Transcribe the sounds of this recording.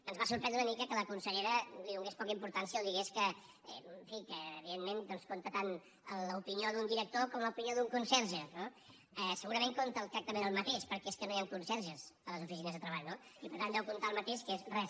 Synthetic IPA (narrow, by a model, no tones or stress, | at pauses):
ənzβasuɾpɾɛnd̪ɾunəmikəkələkunsəʎeɾəliðuŋɡespɔkəimpuɾt̪ansiəlˠd̪iɣeskə | ɛ̰ɱfikəːβiðenmend̪ɔnskont̪ət̪an | əlˠəupinioðund̪iɾək̚t̪okɔmləupinioðuŋkunsɛɾʒəno | ɛsəɣuɾəmeŋkont̪əːlˠt̪ɾak̚t̪əmenəlˠmət̪eʃpəɾkɛeskənojaŋkunsɛɾʒəsələzufis̬inəzðət̪ɾəβaʎno | ipəɾt̪anɛwkunt̪aəlˠmət̪eʃkezrɛs